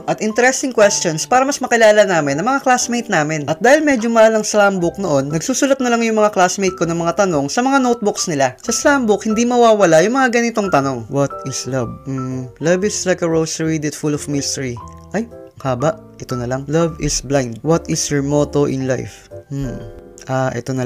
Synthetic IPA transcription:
ʔɐt̪ʔɪnt̪ɛɾɛst̪ɪŋkwɛst͡ʃonspaːɾɐmɐsmɐkɪlaːlɐnaːmɪnːɐŋmɐŋaklasmejt̪̚naːmɪnʔɐt̪̚d̪aːhɪlmɛd͡ʒomɐʔaːlɐŋslambʊk̚noʔo̞nːɐɡ̚suːsʊlɐt̪̚nɐlaŋjʊŋmɐŋaklasmejt̪̚ko̞nɐŋmɐŋat̪ɐno̞ŋsɐmɐŋanot̪̚bʊksnɪlasɐslambʊk̚hɪnd̪imɐwaːwɐlajʊŋmɐŋaɡɐnɪt̪o̞ŋt̪ɐno̞ŋwɐt̪̚ɪslɐvm̩lɐvɪslajkɐɹowsɹid̪ɛt̪fulɔfmɪst̪ɛɹi | ʔɐjɐŋkaːbɐʔ | ʔɛt̪o̞nɐlɐŋlɐvɪsblãjnd̪̚wɐt̪ɪsjoɹmot̪oʔɪ̰nla̰jf̩ | ʔaːʔɛ̰t̪onɐ

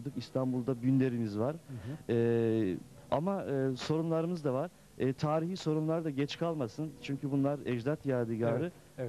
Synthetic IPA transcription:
d̪ɯkist̪ʰanbulˠd̪abynlʲe̞ɾimizvaɾ̥ɛː | a̰maɯːso̞ɾumlˠaɾɯmɯzd̪avaɾ̥ː | t̪ʰaːɾiɦiːso̞ɾumlˠaɾd̪aɟɛt͡ʃkʰalˠmasɯnt͡ʃʰyɲcʰybunlˠaɾɛd͡ʒd̪at̪jaːd̪iɟaɾɯ

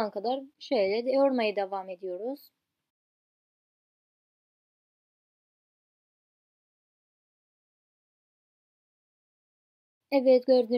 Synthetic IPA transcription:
ankʰad̪aɾʃøjlʲɛd̪oɾmajɯd̪evaːme̞d̪ijo̞ɾuz̥ | ɛvɛt̪ɟøɾd̪y

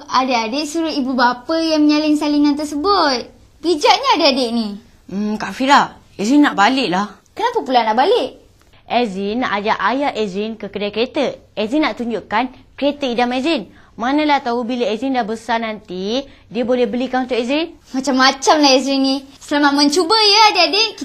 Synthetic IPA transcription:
adaadeʔsuɾʊibubapəjaŋməɲalɪnsalinant̪ərsəbʊt̪̚ | bid͡ʒaʔɲaːdaadeʔni | kaʔfiɾaʔ | ɛzinːaʔbalɪʔlah | kənapəpulanːaʔbalɪʔ | ʔɛzinːaʔad͡ʒaʔajaʔɛzinkəkədajkəɾet̪əɛzinːaʔt̪uɲd͡ʒuʔkankɾet̪əidamɛzinmanə̃lat̪aubilaɛzindahbəsanant̪idiəbolɛhbəlikanunt̪ʊʔɛzinmat͡ʃamːat͡ʃamlahɛzɾinːĩsəlamat̪̚mə̃ɲt͡ʃubəjəadəadeʔki

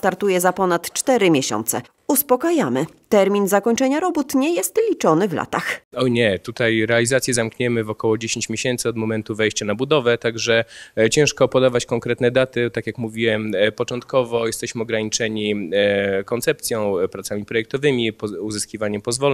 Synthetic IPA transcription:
st̪aɾt̪ujɛzapɔnat̪t͡ʂt̪ɛɾɘmʲjeɕɔ̰nt̪sɛ̰ | uspɔkajamɘ | t̪ɛɾmʲinzakɔɲt͡ʂɛɲaɾɔbut̪ɲɛjɛst̪lʲit͡ʂɔnɘvla̰t̪axɔɲɛt̪ut̪ajɾɛalʲizat̪sʲjɛzamkɲɛmɘvɔkɔwɔd͡ʑeɕẽɲt͡ɕmʲjeɕɛnt̪sɘɔd̪mɔmɛnt̪uvɛjɕt͡ɕanabud̪ɔvɛt̪aɡʐɛt͡ɕɛ̃w̃ʂkɔpɔd̪avat͡ɕkɔŋkɾɛt̪nɛd̪at̪ɘt̪akʲjakmuvʲiwɛmpɔt͡ʂɔnt̪kɔvɔjɛst̪ɛɕmɘɔɡɾaɲit͡ʂɛɲi | kɔnt̪sɛp̚t̪sʲjɔ̃w̃pɾat̪samʲipɾɔjɛk̚t̪ɔvɘmʲipɔuzɘskʲivaɲɛmpɔzvɔl

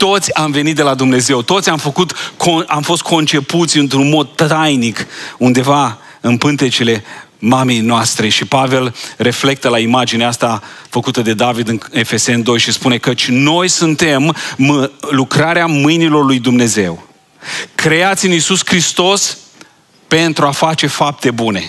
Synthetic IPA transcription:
t̪o̞t̪sʲamve̞nit̪̚d̪elad̪umne̞ze̞wt̪o̞t̪sʲamfəkut̪kʰoamfo̞st̪̚kʰo̞nt͡ʃe̞put̪sʲɨnt̪ɾunmo̞d̪̚t̪ajnikund̪e̞va | ɨnpɨnt̪e̞t͡ʃile̞ | mame̞jnoast̪ɾe̞ʃipave̞lre̞fle̞k̚t̪əlaimad͡ʒineast̪afəkut̪əd̪e̞d̪avid̪ɨe̞fe̞se̞nd̪o̞jʃispune̞kət͡ʃʲno̞jsunt̪e̞mmɨlukɾaɾeamɨjnilo̞rlujd̪umne̞ze̞̰w | kɾe̞at̪sʲɨnisuskɾist̪o̞s | pe̞nt̪ɾuafat͡ʃe̞fap̚t̪e̞bune̞

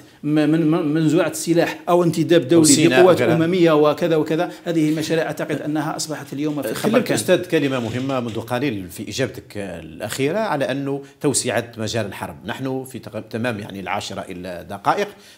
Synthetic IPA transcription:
mænzuʕasːəlaħʔəwənt̪əd̪æb̚d̪uwliinʊwːæt̪ʔʊmæməjːawəkəd̪æwəkəd̪æhæd̪əhəlmæʃæɾiʕʔaʕt̪ɑqəd̪ʔənːɦæʔɑsˤbɑħɑt̪ljuwmfixəəʒt̪æd̪kæləmamʊɦəmːamʊnd̪uqɑlilfiʔiʒæb̚t̪əklʔæ̰xiɾaʕalæʔənːʊt̪əwsəʕat̪mæʒæləlħɑ̰ɾˤbnaħnufit̪æmæmja̰ʕnilʕa̰ʃɾˤɑ̰ʔə̰læd̪ɑqɑʔəq

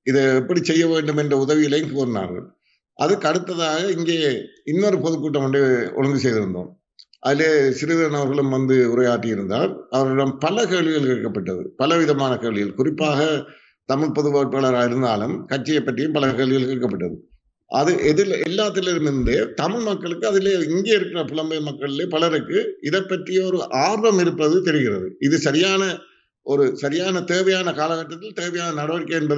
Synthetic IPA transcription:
ɪðɛɛpːɐɽisɛjːɐʋeːɳɖɯmɛndrɐʊðɐʋɪjɪlɐjŋkuːɾna̰ːɾɣɐ̰ɭ | ʔɐðɯkɐɽɯt̪ːɐðaːɣɐɪŋɡeːɪnːɔɾɯpɔðɯkːuːʈːɐmʋɐnɯɔ̰ɻɐŋɡɯsɛjðɯɾɯnd̪o̰ːm | ʔɐ̰ðɪleːsɪɾɯðɐɾɐnɐʋɐɾɣɐɭɯmʋɐnd̪ɯʊɾɐjaːʈːɪɪɾɯnd̪a̰ːɾɐʋɐɾɽɐmpɐlɐkeːɭʋɪɣɐɭkɛɽɯkːɐpːɐʈːɐðɯ̰pɐlɐʋɪðɐmaːnɐkeːɭʋɪɣɐlkʊrɪpːaːɣɐ | t̪ɐmɪɭpɔðɯʋaːʈɐɭɐɾaːɪɾɯnd̪aːlɯmkɐʈt͡ʃːɪjɐɪpːɐʈrɪjɯmpɐlɐkeːɭʋɪɣɐlkɛɾkːɐpːɐʈːɐðɯ | ʔɐ̰ðɯʔɛðɪlɛlːaːt̪ːɪlɪɾɯmɪɾɯnd̪eːt̪ɐmɪɭmɐkːɐɭɯkːɯɐðɪleːɪŋɡeːɪɾɯkːɪrɐpʊlɐmbɐmɐkːɐɭɪleːpɐɭɐɾɯkːɯɪðɐpːɐʈrɪjɐɔɾɯʔaːɾʋɐmɪɾɯpːɐðɯt̪ɛɾɪɣɪrɐðɯɪðɯsɐɾɪjaːnɐ | ʔɔɾɯsɐɾɪjaːnɐt̪eːʋɐjaːnɐkaːlɐɣɐʈːɐt̪ːɪlt̪eːʋɐjaːnɐnɐɽɐʋɐɽɪkːɐɛnbɐð

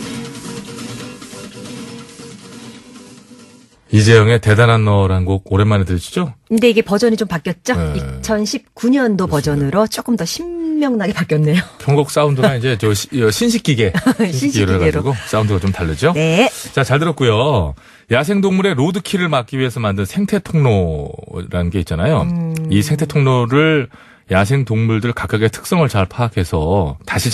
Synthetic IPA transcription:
id͡ʑejʌŋe̞te̞dananːʌɾanɡoɡ̚oɾemanetɯɾit͡ɕʰi̥d͡ʑonde̞iɡe̞pʌd͡ʑʌɲit͡ɕompak͈jʌt̚t͡ɕ͈oik̚t͡ɕʰʌnɕʰip̚k͈uɲʌndopʌd͡ʑʌnɯɾot͡ɕ͈ok͈ɯmdʌɕʰimːjʌŋnaɡe̞pak͈jʌnːejopʰjʌŋɡʌk̚s͈aundɯaind͡ʑe̞t͡ɕʌʌɕʰinɕʰik͈iɡe̞iɕieɾɯɡaeɾɡos͈aundɯɡat͡ɕomtaɭːʌd͡ʑonet͡ɕat͡ɕaɭtɯɾʌt̚k͈ujo | jasʰe̞ŋdoŋmuɾe̞ɾodɯkʰiɾɯɭmak͈iɥie̞sʰʌmandɯnsʰe̞ŋtʰe̞tʰoŋno | ɾanɡe̞it̚t͡ɕ͈anajoisʰeŋtʰetʰoŋnoɾɯɭ | jasʰe̞ŋtoŋmuɭdɯɭkak͈aɡe̞tʰɯ̥k̚s͈ʌŋɯɭt͡ɕaɭpʰakʰe̞sʰʌtaɕʰi

